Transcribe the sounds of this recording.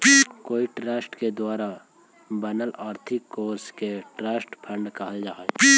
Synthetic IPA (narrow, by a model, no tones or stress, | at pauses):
koːiʈɾaːsʈked̪waːɾa | bəːnəlaːɾt̪ʰɪkːoːɾskeʈɾaːsʈpʰə̃ɳɖkɐɦəld͡ʒaːɦɛ